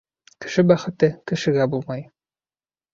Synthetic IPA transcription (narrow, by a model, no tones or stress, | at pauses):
kɘ̥̆ʃɘbæχɘ̆t̪ɘkɘ̆ʃɘ̆ɡæbulˠmɑj